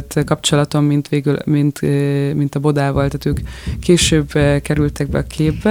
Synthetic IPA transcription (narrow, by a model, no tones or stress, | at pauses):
t̪kɒp̚t͡ʃo̞lɒt̪o̞mːint̪ʋeːɡylmint̪mint̪ɒbo̞d̪aːvɒlt̪aːt̪øːkʰːeːʃøːbkɛɾylt̪ɛɡ̚bɛ̰ɒkʰeːbbɛ